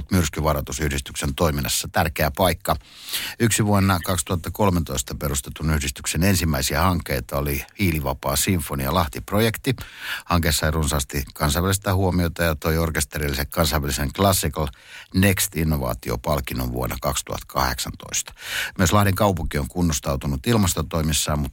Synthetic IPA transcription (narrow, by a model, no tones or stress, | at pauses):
lt̪myrskyʋɑrɑt̪usyhɾist̪yksent̪oiminːˑɑsːɑt̪ærkeæpɑikːɑ | yksiʋuonːɑkɑkst̪uhɑt̪ːɑkolment̪oist̪ɑperust̪et̪unyhdist̪yksenensimːæisiæhɑŋkːeit̪ɑolihiːliʋɑpɑːsiɱfoniɑlɑht̪iprojekt̪ihɑŋkeːsːɑirunsɑːst̪ikɑnsɑʋælist̪ɑhuomiot̪ɑjɑt̪oiorkest̪erilːisekkɑnsɑʋʋæliseŋklɑsːikɑl | nekst̪inːoʋɑ̰ːt̪io̰pɑlkinoʋʋṵo̰nːɑ̰kɑkst̪ṵhɑ̰t̪kʰɑ̰hḛksɑnt̪o̰ist̪ɑ̥myøslɑhdiŋkɑupuŋkioŋkunːost̪ɑut̪unut̪ilmɑst̪ot̪oimisːɑːmmut̪